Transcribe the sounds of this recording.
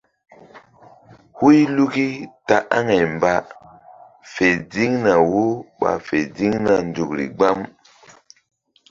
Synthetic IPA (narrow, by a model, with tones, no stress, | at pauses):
hu˦jlu˦ki˦ta˨ʔa˦ŋa˨jmba˨ | fe˨di˦ŋna˨wo˦ɓa̰˨fe˨di˦ŋna˨ndu˨kɾḭ˨ɡ͡ba˦m